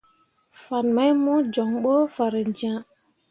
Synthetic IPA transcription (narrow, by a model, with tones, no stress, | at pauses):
fa˨nma˦jmũ˦d͡ʒɔ˨ŋɓo˦fa˨ɾə˨nd͡ʒã˦